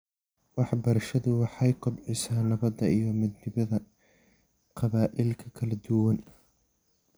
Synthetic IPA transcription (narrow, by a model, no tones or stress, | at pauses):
wɑħbɐɾɐʃɐðʊwɑħɑjkʰʊbʕɪsaːnɐβɐd̪ɐijɞmɐd̪nɪβɐðɐ | qʰɑβaːʔɪlkʰɐkʰɐlɐd̪ʊwɐn